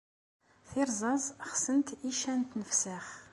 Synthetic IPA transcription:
θɪɾˤzˤɑzˤχsənt̪iʃænt̪nəfsaχ

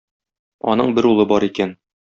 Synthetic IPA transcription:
ɒ̰nɤɴbɘɾulˠɤbɒɾikæn

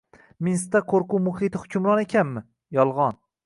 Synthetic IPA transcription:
mɪnst̪aqʰoɾqʊmʊhit̪ɪhʊkʲʰʊmɾɒnekʲʰanmɪ | jɒlˠʁɒn

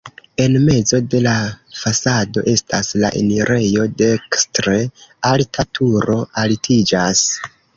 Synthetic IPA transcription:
e̞nme̞zo̞de̞lafasado̞̰ʔe̞stʰasla̰ʔḛniɾʔe̞jo̞de̞kstɾealtʰatʰuɾo̞ʔaltʰid͡ʒas

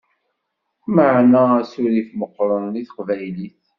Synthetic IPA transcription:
məʕnææsʊɾiθməqːɾˤəniθə̥qvæjliθ

